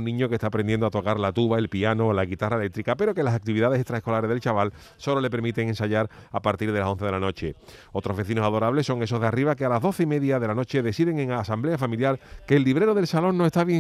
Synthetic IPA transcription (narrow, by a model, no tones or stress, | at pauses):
nːĩɲo̞ke̞t̪aːpɾend̪je̞nd̪oat̪o̞kaɾlat̪uβae̞lpiano̞ːlaɣit̪araelek̚t̪ɾikape̞ɾo̞ke̞lasak̚t̪iβiðað̞esest̪ɾaeko̞laɾezðelt͡ʃaβal | so̞lo̞le̞p̬e̞ɾmit̪e̞ŋe̞nsaʎaɾapaɾt̪iɾð̞e̞laso̞nθeð̞elano̞t͡ʃe̞ | o̞t̪ɾo̞zβe̞θino̞saðo̞ɾaβle̞so̞ŋe̞so̞zðeariβakealazðo̞θeime̞ðjaðe̞lano̞t͡ʃe̞ðe̞siðe̞ŋe̞ŋasamble̞afamiljaɾke̞ːlːiβ̞ɾe̞ɾo̞ð̞e̞lsalo̞ŋnoe̞st̪aβje